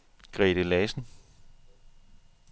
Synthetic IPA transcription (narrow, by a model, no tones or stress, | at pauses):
ɡ̥ʁɛ̰ːɾ̥əlɛːsn̩